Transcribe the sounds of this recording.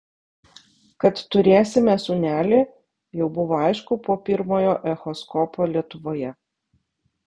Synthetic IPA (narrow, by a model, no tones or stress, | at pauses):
kɐt̪t̪ʊɾʲeːsʲɪmʲɛsʊːnʲæːlʲeː | jɛʊbʊʋoːɐɪʃkʊpoːpʲɪɾmoːjoːʔɛxɔskɔpʰoːlʲiɛt̪ʊʋoːjɛ